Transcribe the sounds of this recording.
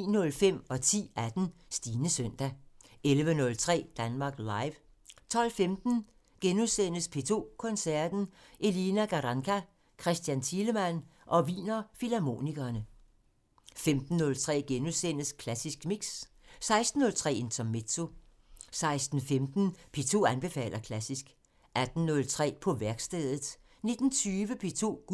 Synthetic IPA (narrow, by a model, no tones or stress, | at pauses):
iːnɔ̽lfem̰ɒ̽t͡sʰḭːæd̥n̩ | sd̥iːnəsœn̰d̥æelʋənɔ̽lt͡sʰʁɛ̰ːd̥ænmɑ̈ːɡ̥lɑ̈ɪʋ | t͡sʰɒ̽l̰femd̥n̩ | ɡ̥enuðˠsen̰əspʰe̝ːt͡sʰo̝̰ːkʰɔ̽nsæɐd̥n̩ʔe̝linæɡ̥ɑʁɑŋkʰæ | kʰʁɛsd̥jænt͡sʰiːləmæn̰ʔɒ̽ʋḭːnɐfilæmo̝̰ːniɡ̥ɐːnə | femd̥n̩ːɔ̽lt͡sʰʁɛ̰ːɡ̥enuðˠsen̰əskʰlæsisɡ̥miɡ̥s | sɑ̈ɪsd̥n̩ːɔ̽lt͡sʰʁɛ̰ːent͡sʰɒ̽mːe̝dsʰo̝ | sɑ̈ɪsd̥n̩femd̥n̩pʰe̝ːt͡sʰo̝̰ːænb̥e̝fɛ̰ːl̰ʔɐkʰlæsisɡ̥ | æd̥n̩ːɔ̽lt͡sʰʁɛ̰ːpʰɒ̽ʋæɐɡ̥sd̥eð̞̰ˠð̩ˠ | ne̝d̥n̩t͡sʰyːʋəpʰe̝ːt͡sʰo̝̰̥ː